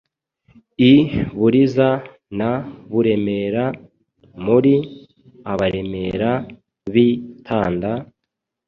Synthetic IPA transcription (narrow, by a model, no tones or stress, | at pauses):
iβuɾiza | naβuɾe̞me̞ːɾa | muɾi | aβaɾe̞me̞ɾa | βitʰaːnda